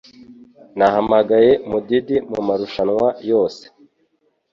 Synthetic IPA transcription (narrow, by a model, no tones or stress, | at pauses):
nahamaɡaje̞mudidimṵmaɾuʃanŋwajo̞ːse̥